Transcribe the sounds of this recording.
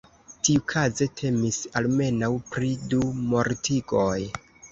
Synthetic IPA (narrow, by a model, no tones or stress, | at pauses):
tiukʰaze̞tʰe̞misalme̞nawpɾidumo̞ɾtiɡo̞j